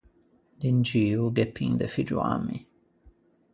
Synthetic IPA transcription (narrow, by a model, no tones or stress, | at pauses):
d̪ind͡ʒiːuɡepʰːḭŋd̪əfid͡ʒṵa̰mḭ